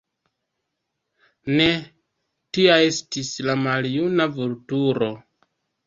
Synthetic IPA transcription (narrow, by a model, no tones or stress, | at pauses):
ne | tiae̞stislamaljunavuɾtuɾo̞